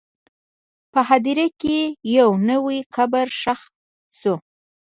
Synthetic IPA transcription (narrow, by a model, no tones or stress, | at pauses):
pəhad̪iɾakejawnəwiqabaɾʃax | su